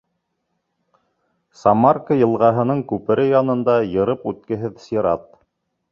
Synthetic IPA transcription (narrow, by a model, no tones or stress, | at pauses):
sɑmarkəjɤ̆lˠʁɑɦɤ̆nɤɴkʉpɘ̆ɾɘjɑnɤ̆nd̪ɑjɤ̆ɾɤpʉt̪̚kɘ̆ɦɘðsʲiɾɑt̪